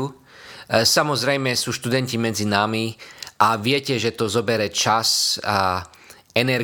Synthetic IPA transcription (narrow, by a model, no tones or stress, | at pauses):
u | samɔzɾɛjmɛsuːʃt̪ud̪ɛncimɛd͡zinamiʔaʋɪɛcɛʒɛt̪ɔzɔbɛɾɛt͡ʃasa | ɛnɛɾ